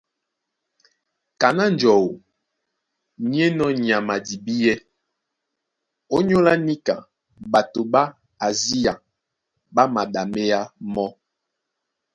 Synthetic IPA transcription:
ka˨na˦n˨d͡ʒɔ˨wo˨ | ɲ˦e˦nɔ˦ɲ˨a˨ma˨di˨bi˦jɛ˦ | o˦ɲo˦la˦ni˦ka̰˨ | ɓa˨to˨ba˦ | a˨zi˦a˨ | ba˦ma˨ɗa˨me˦ja˦mɔ˦

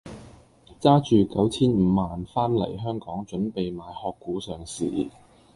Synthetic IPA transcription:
t͡saː˥t͡ʃyː˨kɐ˨˥wt͡sʰiː˥nm̩ː˨˧maː˨nfaː˥nlɐ̰˨˩jɦœː˥ŋkɔː˨˥ŋt͡ʃɵ˨˥npe˨jmaː˨˧jhɔː˧kːuː˨˥sœː˨ŋsḭː˨

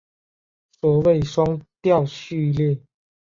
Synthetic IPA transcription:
swɔ˨˩we˥˨ɪʂwa˦˥ŋt̪ja˥˨ʊɕy˥˧ljɛ˥˨

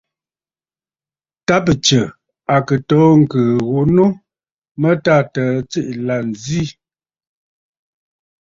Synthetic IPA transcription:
ta˦p̬ə˨t͡ʃə˨ | a˨kə˨tɔː˨˦ŋ̩˨kəː˨ɣo˨˦no˦ | mə˦ta˦˨tə˨˦t͡si˦ʔla˨n˨zi˦

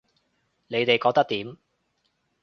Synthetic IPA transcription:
ne˨˧jt̪e˨jkɔː˧k̚t̪ɐ˥k̚t̪iː˨˥m

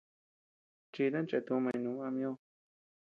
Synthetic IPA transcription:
t͡ʃi˧ðã˦nt͡ʃe˧t̪ũ˧mã˧ĩ˧nũ˨˦ã˧mĩ˧˦õ˧

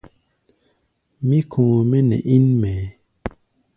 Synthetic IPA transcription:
mĩ˦kʰõː˨mɛ˦nɛ̰˨ʔi˦nmɛ˨˦

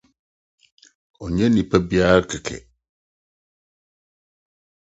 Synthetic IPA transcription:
ɔ˨ɲɛ̃˦nĩ˨pʰɛ˦bi˦a˦ɾkʰɪ˨kʰɛ̰˨

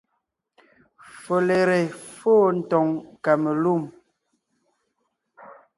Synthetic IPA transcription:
fo˨le˨ɾe˨foː˦˨n̩˨tɔ˨ŋka˨me˨lu˦˨m

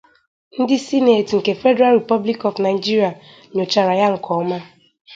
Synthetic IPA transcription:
n̩˦dɪ˦si˦ne˨tŋ̩˨ke˨fe˦de˦ɾa˦lɾi˨pɔ˦bli˦kɔ˨vna˨ɪ˨d͡ʒi˦ɾi˨a˨ | ɲo˨t͡ʃa˨ɾa˨ja˦ŋ̩˨kʰɔ˨˦ma˦

